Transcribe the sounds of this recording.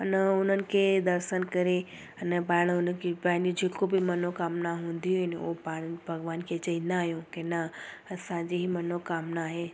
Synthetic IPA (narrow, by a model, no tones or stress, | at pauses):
ɐnʊn̤ənɪ̆kʰed̪ɐɾʃənkɐɾe | ɐnbaːɪɽ̃ʊnkebaːɪnud͡ʑeːkobimɐnokaːmnaɦũːnd̪ijoɦɪnɪo̰paːɽbʱɐɡʋaːnkʰet͡ɕɐinaːɦjũkena | ɐsãːd͡ʑiɦimɐnokaːmnaːɦeː